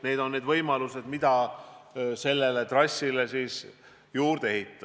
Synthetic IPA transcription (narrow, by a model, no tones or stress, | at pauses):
ne̞ːd̪o̞nːed̪vɤjmɑluse̞d̪mid̪̥ɑ | se̞lːe̞le̞t̪rɑsʲːile̞siːs | juːɾd̪̥ee̞ɦit̪ːˑɑ